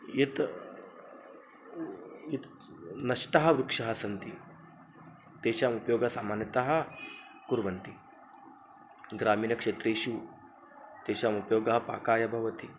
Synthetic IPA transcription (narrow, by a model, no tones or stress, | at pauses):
jit̪ | it̪ | nɐʃt̪ɐɦɐʋɾukʂɐɦɐsɐnt̪i | d̪̥eːʃaːmupɐjoːɡɐsaːmaːnjɐt̪ɐɦɐ̆ | kuɾʋɐnt̪i | ɡɾaːmiːnɐkʂeːt̪ɾeːʃu | t̪eːʃaːmupɐjoːɡɐɦɐpa̰ːkaːjɐbʱɐʋɐt̪i